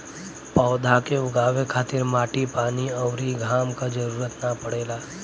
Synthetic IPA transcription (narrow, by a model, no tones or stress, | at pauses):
pɔːd̪ʱakeʊɡaːwekʰaːt̪ɪɾmaːʈipaːniɔwɾiɡʱaːmkad͡ʒɐɾuːɾət̪napɐɽeːlaː